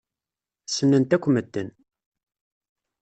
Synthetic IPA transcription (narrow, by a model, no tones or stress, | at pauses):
sənːənt̪ækʷːməd̪ːən